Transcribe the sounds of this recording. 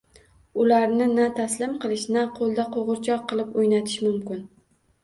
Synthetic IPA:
ʊlaɾnɪnat̪ʰaslɪmqʰɨlˠɪʃnaqʰolˠd̪aqʰoʁɨɾt͡ʃʰɒq̚qʰːɨlˠɪpojnat̪ʰɪ̥ʃmʊmkʲɪn

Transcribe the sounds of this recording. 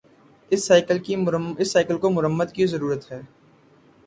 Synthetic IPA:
ɪsːaːɪkəlkiɪsːaːɪkəlkomʊɾəmːəd̪kizɐɾuːɾət̪ɦɛː

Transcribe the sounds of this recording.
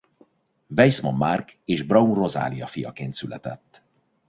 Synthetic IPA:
vɛjsmomːarkeːʒbrɒunro̞za̰ːlijɒfijɒkeːnt̪sylʔɛt̪ɛt̪ː

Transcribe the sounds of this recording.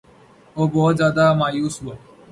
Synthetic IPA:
oːbɔːt̪zjaːd̪aːmaːjuːsɦuaː

